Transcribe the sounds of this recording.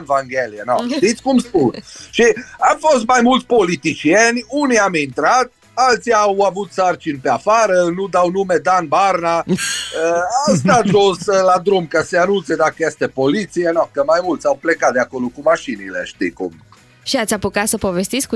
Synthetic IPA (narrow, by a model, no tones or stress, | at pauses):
nvaŋɡelijenoʃt̪it̪sʲkumspunʃiamfo̞st̪majmult̪sʲpo̞lit̪it͡ʃienʲuniamint̪ɾat̪̚ | alt̪siawavut̪sart͡ʃinpeafaɾənud̪awnume̞d̪anbarnaəawst̪at̪ʒoslad̪ɾumkəseanunt̪sed̪akəjest̪epolit̪sijenokəmajmult̪sʲawplekat̪̚d̪eako̞lokumaʃinilḛʃt̪ḭkṵm | ʃiat̪sʲapukat̪səpovest̪it̪sʲk